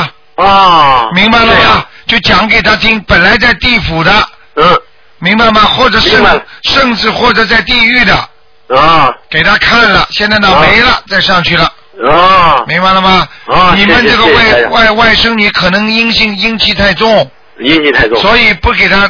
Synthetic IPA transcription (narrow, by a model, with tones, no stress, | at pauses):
mi˧˥ŋba˧ɪlə˨mɐ˧t͡ɕjo˥˩ʊt͡ɕjɑ˧˥ŋke˨˩ɪt̪ʰa˥t̪ʰi˥ŋpə˨˩nla˧˥ɪt͡sa˥˧ɪt̪i˥˩fu˨˩d̪ə˦ | mi˧˥ŋba˧ɪmɐ˧xwɔ˥˩ʈ͡ʂɤ˨˩˦ʂɤ˥˧ŋʂɤ˥˧ŋt͡sɹ̩˥˧xwɔ˥˩ʈ͡ʂɤ˨˩t͡sa˥˧ɪt̪i˥˧y˥˩d̪ə˩ | ke˨˩ɪt̪ʰa˥kʰa˥˩nlə˩ɕjɛ˥˧nt͡sɪna˥˩me˧˥ɪlə˧t͡sa˥˧ɪʂɑ˥˧ŋt͡ɕʰy˥˩lə˩ | mi˧˥ŋba˧ɪlə˧mɐ˧ni˨˩mə˦nʈ͡ʂɤ˥˩ɡə˧wa˥˩ɪwa˥˩ɪwa˥˩ɪʂɤ˥ŋny˧˥kʰɤ˨˩nɤ˧˥ŋi˥ŋɕi˥˧ŋi˥ŋt͡ɕʰi˥t̪ʰa˥˧ɪt͡sʊ˥˩ŋ | i˥ŋ˧t̪ʰa˥˧˥swɔ˧˥i˨˩pu˥˩ke˨˩ɪt̪ʰa˥